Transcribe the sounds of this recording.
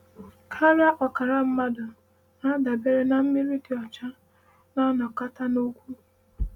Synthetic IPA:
kʰa˦ɾa˦ʔɔ˨ka˨ɾa˦m̩˦ma˦dʊ˨ | na˦da˨be˦ɾe˦na˨m̩˦mi˦ɾi˦ti˨ɔ˨t͡ʃa˦ | na˦nɔ˨ka˦ta˦no˦kʷu˦

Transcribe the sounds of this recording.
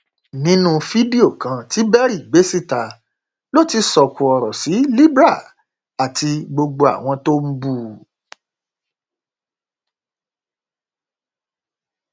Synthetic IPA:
nĩ˨˦nũ˦fi˦di˦o˦˨kã˧ti˨˦bɛ˦ɾi˦˨ɡ͡be˨˦si˦˨ta˧ | lo˦ti˧sɔ˨kũ˨ɔ˨ɾɔ˨si˨˦li˦bɾa˦˨ | a˨ti˧ɡ͡bo˧ɡ͡bo˧a̰˨w̃ɔ̃˧to˦m̩˦bu˦˨

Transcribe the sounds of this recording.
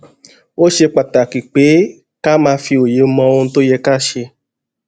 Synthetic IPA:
o˦ʃe˧k͡pa˨ta˨ki˨k͡pe˨˦ | ka˦mãː˧˦fi˧o˨je˨˦m̩˦mɔ̃˧wo˧n̩˦to˦jɛ˧ka˦ʃe˧

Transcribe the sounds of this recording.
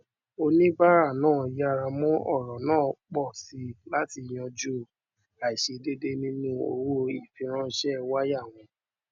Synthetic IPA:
o˧nĩ˦ba˦ɾa˦˨nãː˦˨ja˦˧˨ɾa˧mɔ̃˦ɔ˦˨ɾɔ˨nãː˦˨k͡pɔ˦˨si˧˦la˦ti˧˨j̃ɔ̃˧d͡ʒu˦ | a˨i˨ʃe˧de˦de˦nĩ˦nũ˦o̰˧wo˦i˦˨fĩ˧˦ɾ̃ã˦ʃɛ˦wa˦ja˦˨w̃ɔ̃˨˧

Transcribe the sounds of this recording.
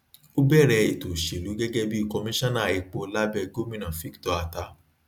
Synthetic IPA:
o˦bɛ˦˨ɾɛ˧i˨to˨ʃe˨lu˨˦ɡɛ˦ɡɛ˦bi˦i˦˨kɔ˧mĩ˦ʃã˦nã˦˨i˨˧k͡po˧la˦bɛ˧ɡo˦mĩ˦nã˨fi˨˦ktɔ˨˧a˨ta˨˦

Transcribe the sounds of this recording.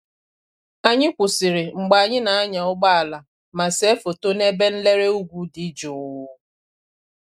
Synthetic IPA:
a˨ɲɪ˦kʷʊ˨sɪ˨ɾɪ˨ŋ͡m̩˨ɡ͡ba˨a˨ɲɪ˦na˨a˦ɲa˨ʊ˦ɡ͡ba˦a˨la˨ | ma˨se˦fo˨to˦ne˦be˦n̩˦le˦ɾe˦u˦ɡʷu˦di˨˦d͡ʒo˨wʊ˦

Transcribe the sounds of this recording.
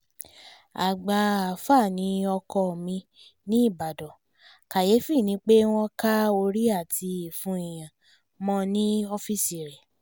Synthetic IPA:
a˨ɡ͡ba˨a˨fa˦˨nĩ˨˧˦ɔ˧kɔ˧˨mĩ˧ | nĩ˦i˦˨ba˨dɔ˨ | ka˨je˨˦fi˦˨nĩ˧˦k͡pe˦w̃ɔ̃˦ka˦o˧ɾi˦a˦˨tʰi˧i˨fũ˧i˨j̃ã˨ | mɔ̃˧˦nĩ˦o˧fi˦si˨ɾɛ˨

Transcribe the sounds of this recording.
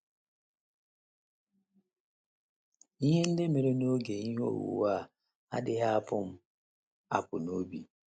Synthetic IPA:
i˦ɦe˦n̩˦dɪ˦me˨ɾe˦no˦ɡe˨i˦ɦo̰˦˨wṵ˨wa˦˨ | a˦dɪ˦ɦa˦a˦˨pʊ˦m̩˦ | a̰˨pʊ˨no˦bi˨

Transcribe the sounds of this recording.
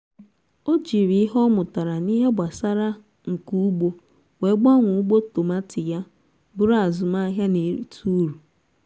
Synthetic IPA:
o˦d͡ʒi˨ɾi˦ɦɔ˦mʊ˨ta˨ɾa˨ni˦ɦe˦ɡ͡ba˨sa˦ɾa˦ | ŋ̩˨ku˦ɡ͡bo˦ | we˨˦ɡ͡ba˦ŋʷu˨˦ɡ͡bo˦to˨ma˦tɪ˨ja˦ | bʊ˦ɾa˨zʊ˨ma˦ɦja˦ne˨ɾḭ˨tu˦ɾu˨

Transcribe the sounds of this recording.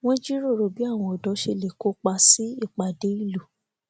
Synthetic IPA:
wɔ̃˦d͡ʒi˦ɾo˦˨ɾo˨bi˨˦a˦˨w̃ɔ̃˧ɔ˨dɔ˨˦ʃe˧le˨ko˨˦k͡pa˧si˦i˦˨k͡pa˨de˨˦i˦˨lu˨

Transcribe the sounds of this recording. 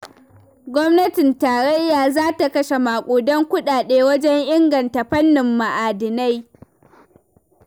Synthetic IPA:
ɡʷɔ˦mnɐ˦tɪ˨ntaː˨ɽɐ˦jːaː˨zaː˦ta˨kɐ˦ʃe˨maː˨kʷʼoː˨dɔ˦ŋkʷʊ˦ɗaː˨ɗeː˦wɐ˦d͡ʒɛ˦ŋʔɪ˦ŋɡɐ˨nta˨ɸɐ˦nːɪ˨mːa˨ʔaː˨dɪ˨na˦j

